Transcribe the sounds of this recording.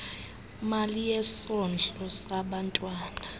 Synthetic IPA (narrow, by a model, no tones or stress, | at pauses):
malijɛsɔnd͡ɮʱɔsaɓantʼwaːna